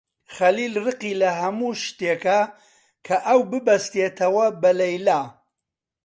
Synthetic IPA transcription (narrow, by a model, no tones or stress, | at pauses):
χɐliːlrɨqiːlɐɦɐmuʃt̪ekɐ | kʰɐʔɐwbɨbɐst̪et̪ʰɐwɐbɐlɐjlaː